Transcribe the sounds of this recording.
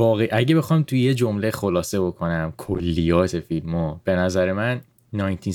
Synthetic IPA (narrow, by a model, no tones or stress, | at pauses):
vɒːɣeʔæɟe̞be̞xɒːmt̪ʰujed͡ʒo̞mlexolɒːse̞bo̞kʰo̞næmkʰolːijɒːt̪ʰe̞filmɒːb̥e̞næzæɾe̞mænː | ɒːjnt̪ʰin